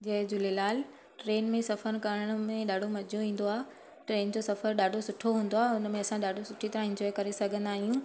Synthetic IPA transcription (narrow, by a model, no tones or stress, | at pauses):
d͡ʑɐɦd͡ʑʊlelaːl | ʈɾeːnmẽsɐfəɾkɐɾəəɽ̃mẽɗaːɖʱomɐd͡ʑʱoʋĩːn̆d̪oaːe | ʈɾeːnd͡ʑoːsɐfəɾɗaːɖʱosʊʈʰoɦũːn̆d̪oaːɦʊnmẽɐsãɗaːɖʱosʊʈʰit̪ɐɾãɪ̃ɲd͡ʑɔːjkɐɾesɐɡʱə̃nd̪aːɦijũː